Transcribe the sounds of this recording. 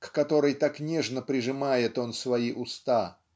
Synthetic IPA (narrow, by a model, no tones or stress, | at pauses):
kːɐt̪o̞ɾɨjt̪aknʲeʐnəpɾʲɪʐɨmajɪt̪o̞nsvɐiʔʊst̪a